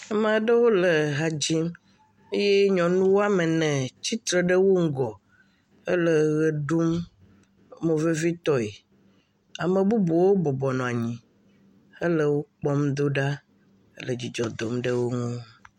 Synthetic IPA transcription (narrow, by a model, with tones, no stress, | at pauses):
ɛ˦mã˨ɖə˦wo˦lə˨ɦa˨d͡ʑi˦m | e˦je˦ɲɔ̃˨nũ˦wo˦a˦mə˨nɛ̃˨t͡ɕi˦t̪ɾə˨ɖə˦wo˦ŋ̩˦ɡɔ˨ | ə˦lə˨ɣə˨ɖu˦mː | õ˨ve˦vi˦t̪ɔ˦e˨ | a˨mẽ˨bu˦bo˨wo˦bɔ˨bɔ˨nɔ̃˨a˨ɲĩ˨ | ə˦lə˦wo˦k͡pɔ˦md̪o˦ɖa˦ | ə̰˦lə˨d͡ʑi˨d͡ʒɔ˨d̪o˨mɖə˦wo˦ŋũ˦